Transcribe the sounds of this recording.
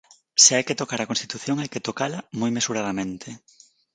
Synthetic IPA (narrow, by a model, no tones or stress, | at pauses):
seajket̪okaɾakonst̪it̪uθjoŋajket̪okalamojmesuɾaðamẽnt̪ʰe